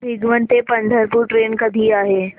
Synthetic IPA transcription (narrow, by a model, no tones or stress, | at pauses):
bɪɡʋənt̪epɐ̃nd̪ʱəɾpuɾʈɾeːnkɐd̪ʱiaːɦeː